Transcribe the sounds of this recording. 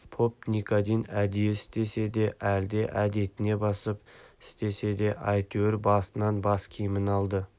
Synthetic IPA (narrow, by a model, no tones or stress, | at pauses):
pʰo̞p̚nikʰod̪ijnæd̪ijeɪst̪e̞se̞d̪e̞ʔæld̪e̞ʔæd̪e̞t̪ɪne̞bɑsəpɪ̥st̪e̞se̞d̪e̞ʔɑjt̪ʰøwɾbɑsənɑnbɑskʲʰemɪnɑlˠd̪ə